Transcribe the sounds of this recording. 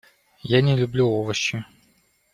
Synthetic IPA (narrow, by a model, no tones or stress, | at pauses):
janʲɪlʲʊblʲuovəɕːɪ